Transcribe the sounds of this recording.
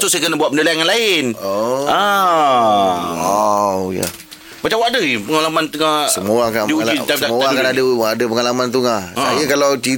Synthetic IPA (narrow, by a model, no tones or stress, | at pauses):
t̪usajakənabuat̪̚mənilajaŋanlaɪnoa | aja̰ | mat͡ʃawadəipəŋalamant̪uŋasəmuaŋkandiuiamuakanadəadəpəŋalamant̪̬uŋaajəkalawt͡ʃi